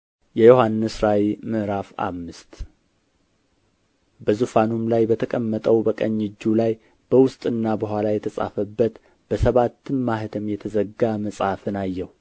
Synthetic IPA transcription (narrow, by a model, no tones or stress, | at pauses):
jɛjo̞hanːɨsɾawimɨʔɾafa̰mːɨst̪ | bəzufanumlajbət̪ʰəkʼəmːət̪ʼəwbəkʼəɲːɪd͡ʒːulaj | b̥əwʊst̪ʼɨnːabəɦʷalajɛt̪ʰəsʼa̰fəbːət̪ | b̥əsəβat̪ʰːɨnmahɨt̪ʰəmjɛt̪ʰəzəɡaməsʼafɨnajːɛhu